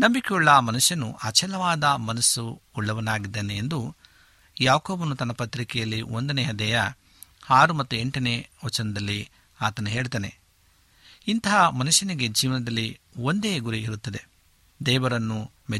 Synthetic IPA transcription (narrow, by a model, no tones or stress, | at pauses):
nɐmbikeuɭːɐmɐnuʃjɐnṵʔɐt͡ʃɛlɐʋaːd̪ɐmɐnɐsuuɭːɐʋɐnaːɡid̪ːeːneːnd̪u | jaːkoːbɐnut̪ɐnːɐpɐt̪ɾikɛjɐlːiond̪ɐneːɦɐd̪ɛjɐ | aːɾumɐt̪ːue̞ɳʈɐneːʋɐt͡ʃɐnɐd̪ɐlːi | aːt̪ɐnuɦeːɭut̪aːne̞̰ | int̪ɐɦɐmɐnuʃjɐniɡe̞d͡ʒiːʋɐnɐd̪ɐlːiond̪eːɡuɾiiɾut̪ːɐd̪e̞ | d̪ɛːʋɐɾɐnːu | mɛ